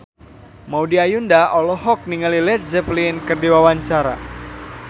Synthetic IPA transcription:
maudiajundaʔɔlɔɦɔk̚niŋalilɛt̪̚zɛplinkərdiwawaɲt͡ʃaɾa̰

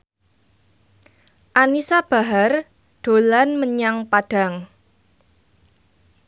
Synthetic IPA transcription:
ʔanisab̥a̤ɦar | ɖ̥o̤lanməɲaŋpad̥a̤ŋ

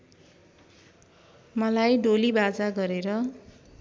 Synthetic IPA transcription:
mʌlajɖolibad͡zaɡʌɾeɾʌ

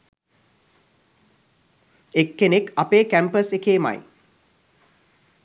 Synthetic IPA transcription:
ekːenekɐpeːkæmpəsekeːma̰j

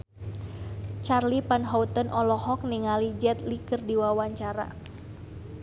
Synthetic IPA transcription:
t͡ʃarlipanɦɔut̪ənʔɔlɔhɔk̚niŋalid͡ʒɛt̪likɨrdiwawaɲt͡ʃaɾa̰

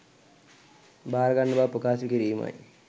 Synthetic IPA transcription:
baːɾɐɡaɳɖɐbaːpukaːsikiɾiːma̰ji

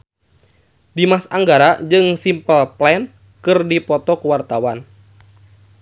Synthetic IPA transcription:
dimasaŋɡaɾad͡ʒɨŋsimpəlplɛn | kɨrdipɔt̪ɔkuwart̪awan

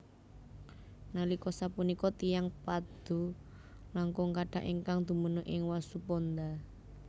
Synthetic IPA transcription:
nalikɔsapunikɔt̪ijaŋpad̪̥ṳ | laŋkɔŋkaɖ̥a̤ʔeŋkaŋd̪̥ṳmənʊʔɪŋwasupɔnd̪a

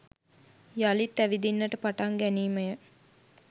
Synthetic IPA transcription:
jalit̪ːæʋid̪inːəʈəpaʈaŋɡæniːməjə

